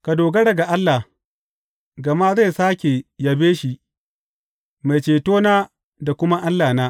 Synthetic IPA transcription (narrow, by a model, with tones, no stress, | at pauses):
ka˨doː˨ɡɐ˦ɽɐ˨ɡa˨ʔa˦lːa˨ | ɡɐ˨ma˦za˦˨saː˦kʲe˨ja˨beː˦ʃi˦ʔ | ma˨t͡ʃeː˨toː˦naː˦ | da˨kʷʊ˦ma˦ʔa˦lːaː˨naː˦